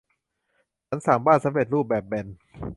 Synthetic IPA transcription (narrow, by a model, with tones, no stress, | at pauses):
t͡ɕʰa˦˥nsaː˩˦mbaː˥˩nsa˨˦mɾe˨˩t̪̚ɾuː˥˩p̚bɛː˨˩p̚bɛ˨˧n